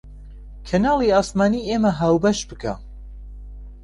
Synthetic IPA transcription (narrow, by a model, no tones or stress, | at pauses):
kʰɐnaːlˠiaːsmaːnieːmɐɦaːwbɐʃbɨkʰa̰